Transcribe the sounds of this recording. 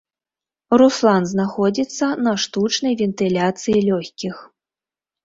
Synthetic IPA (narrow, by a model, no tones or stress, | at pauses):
ruslˠanznaxɔd͡zʲit̪sːɐnɐʂt̪ut͡ʂnɐjvʲɛnt̪ɨlʲat̪sɨjilʲɔxʲkʲix